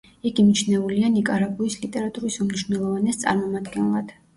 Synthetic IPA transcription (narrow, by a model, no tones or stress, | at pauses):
ɛɡimit͡ʃʰnɛulianikʼaɾabʼuislit̪ʼɛɾat̪ʼuɾisumniʃvwnɛlˠɔvanɛst̪sʼa̰ɾmɔmad̪ɡɛnlˠad̪̥